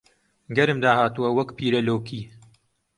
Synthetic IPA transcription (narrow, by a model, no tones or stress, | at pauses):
ɡɐɾɨmd̪aːhaːt̪uwɐwɐkpiːɾɐloːkʰiː